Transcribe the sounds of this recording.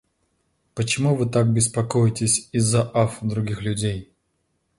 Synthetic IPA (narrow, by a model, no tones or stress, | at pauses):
pət͡ɕɪmuvɨt̪ak̚bʲɪspɐkojɪtʲɪsʲizːɐʔafd̪ɾʊɡʲixlʲʉdʲej